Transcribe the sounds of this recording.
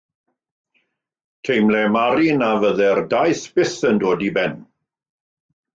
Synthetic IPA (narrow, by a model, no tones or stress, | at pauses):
tʰejmlɛmaɾinavəðɛrdajθb̥ɪθəndoːdibɛn